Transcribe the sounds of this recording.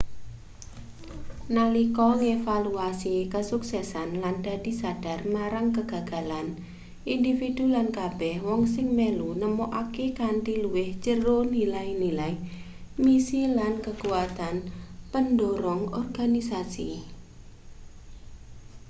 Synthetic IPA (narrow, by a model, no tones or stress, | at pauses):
nalikɔŋefaluasikəsuksɛsanland̥a̤d̥i̤sad̥armaɾaŋkəɡ̥a̤ɡ̥a̤lan | ʔindifid̥ulankab̥ɛhwɔŋsɪŋmelunəmoʔakekanʈ̪iluwɪht͡ʃəronilainilai | misilankəkuwat̪anpəndoɾɔŋɔrɡanisasḭ